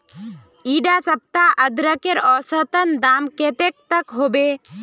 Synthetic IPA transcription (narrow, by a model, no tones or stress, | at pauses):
iːɖasəp̚t̪aʔəd̪ɾəkeɾɔːsət̪ənd̪aːmkeːt̪ek̚t̪əkɦoːbeː